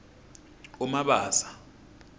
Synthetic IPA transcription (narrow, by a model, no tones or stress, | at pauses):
umaɓaːsḁ